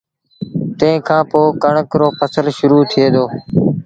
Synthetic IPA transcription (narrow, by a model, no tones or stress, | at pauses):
t̪ẽkʰãːpoːkəɳəkɾoːpʰəsəlʃʊɾuːt̪ʰɪeːd̪oː